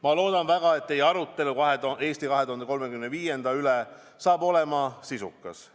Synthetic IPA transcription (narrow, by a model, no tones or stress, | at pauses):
mɑlo̞ːd̪̥ɑnvæɡ̥ɑe̞t̪ːe̞jɑɾut̪ːˑe̞lukɑɦet̪ue̞ːst̪ikɑɦet̪uhɑnd̪eko̞lme̞kymnviːje̞nd̪ɑylɛ | sɑːbo̞le̞mɑsisukːˑɑs